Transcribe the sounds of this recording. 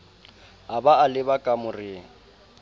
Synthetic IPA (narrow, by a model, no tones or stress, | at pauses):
abaalɪbakʼamʊrɪːŋ̩